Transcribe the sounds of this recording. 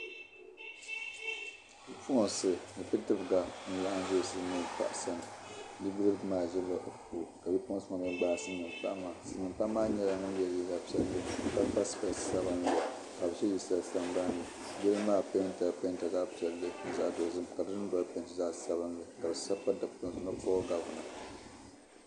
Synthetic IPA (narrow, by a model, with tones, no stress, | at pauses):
bi˦pʰu˦˨sɨ˨nɨ˨pi˦tɨ˦bɨ˨ɡa˨n̩˨la˦ʔn˦ʒo˦˨sɨ˦nɨ˨pa̰˦˨ʔsa˨nɨ˨nɨ˦bɨ˦lɨ˦bdɨ˦maː˦˨ʒɛ˦lːa˦ʔpu˨ka˨bi˦pʊ̃˦sɨ˦ma˨mɨ˦ɡ͡baː˦sɨ˦nɨ˨mpa̰˦ʔmaː˨sɨ˨nɨ˨mpa˦maː˦ɲɛ˦la˨nɨ˦n˦jɛ˦lji˦za˨pi˨ɛ˨lːɨ˦ka˨˦pa˦sɨ̥˨ba˨sa˦bɨ˦n˨la˨ | ka˨bɨ˨t͡ʃɛ˦ji˦sa˨lsa˦m˦ba˦nlɨ˨ | jɛ˦lɨ˦maː˦˨pe˦n˦ta˨pe˦nta˨ɡa˦pi˨ɛ˨lːɨ˦n̩˦za˨do˨zɨ˦mka˨bɨ˦ɨ˦n˦ba˨˦pe˦ntɨ˨za˦ʔsa˦bɨ˦nlɨ˨ka˨bɨ˨sa˦pːa˦da˨bpo˦ŋ˨sɨ˨˦na˦kɔ˦ɔ˦ɡa˨ʊ˨na̰˨